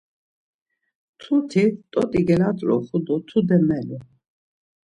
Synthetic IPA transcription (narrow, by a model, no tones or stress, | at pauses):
t̪ʰut̪ʰit̪ʼɔt̪ʼiɡɛlat̪ʼɾɔ̰χud̪ɔt̪ʰud̪ɛmɛlu